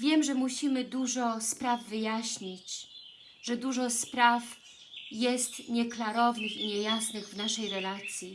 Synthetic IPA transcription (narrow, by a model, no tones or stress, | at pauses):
vʲjɛmʐɛmuɕimɘd̪uʐɔspɾavːɘjaɕɲit͡ɕ | ʐ̥ɛd̪uʐɔspɾaf | jɛst̪ɲɛklaɾɔvnɘxiɲɛjasnɘɣvnaʂɛjɾɛlat̪sʲji